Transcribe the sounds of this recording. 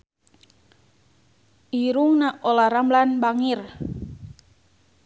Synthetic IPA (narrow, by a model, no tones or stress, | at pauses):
iɾuŋnaʔɔlaɾamblanbaŋir